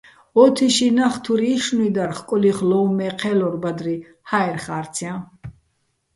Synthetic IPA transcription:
ɔt̪ʰiʃinaχt̪ʰuɾiːʃnuid̪aɾχkʼɔliχlɔmɛqʰɛlɔɾbad̪ɾi | haɛɾχaɾt̪sʰjã

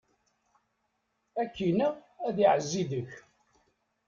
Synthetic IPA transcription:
ækːinææðiʕəzːiðəç

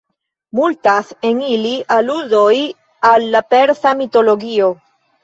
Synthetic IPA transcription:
mult̪aseŋiliʔaluðoj | alːapeɾsamit̪oloɣio

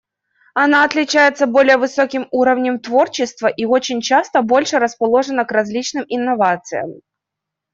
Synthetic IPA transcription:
ɐnaɐt̪lʲɪt͡ɕæjɪt̪səbo̞lʲɪjəvɨso̞kʲɪmuɾəvnʲəmt̪vo̞rt͡ɕɪst̪vəʔio̞t͡ɕɪnʲt͡ɕast̪əbo̞lʲʂɨɾəspɐlˠo̞ʐɨnəkrɐzʲlʲit͡ɕnɨmʔɪnːɐvat̪sɨjə̰m

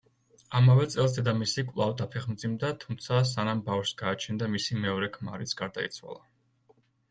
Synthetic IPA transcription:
amavɛt̪sʼɛlˠs̬d̪ɛd̪amisikʼvlˠavd̪apʰɛχmd̪zimd̪at̪ʰumt̪sʰas̬anambafʃsɡaːt͡ʃʰɛnd̪amisimɛɔɾɛkʰma̰ɾit̪sʰɡ̥aɾd̪aḭt̪sʰwa̰lˠa

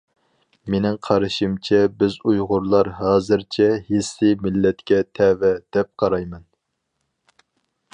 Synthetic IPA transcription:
menɪŋqʰɑɾɨʃimt͡ʃʰɛbɪzujʁʊɾlˠɑɾɦɑːzɨɾt͡ʃʰɛɦesːɪmɪlːɛt̪kʲɛt̪ʰɛvɛd̪̥ɛp̚qʰɑɾɑjmɛn

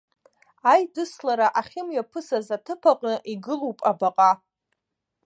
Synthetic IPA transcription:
ajdɨslaɾaʔaχʲɪmɥapʰɨsazatʰɨpʰaqʼnɨʔiɡɨlowpʼabaqʼa

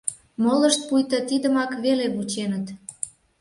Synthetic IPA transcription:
moləʃt̪̚pujt̪ət̪id̪əmɑkβeleβut͡ɕenət̪

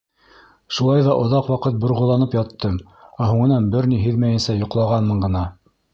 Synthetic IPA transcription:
ʃulˠɑjðɑʔŏðɑqwɑqɤt̪̚bŏɾʁŏlˠɑnɤpjɑt̪ʰːɤm | æɦuɴɤ̆nɑnbɘɾniɦɘðmæjɘ̆nsæjŏqlˠɑʁɑnmɤ̆ɴɢɤ̆nɑ

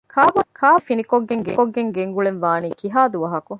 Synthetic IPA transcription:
kʰaːbɐkʰaːfinikoɡːeŋɡḛkoɡːeŋɡeŋɡuɭenʋaːniːkiɦaːd̪uʋɐɦɐku

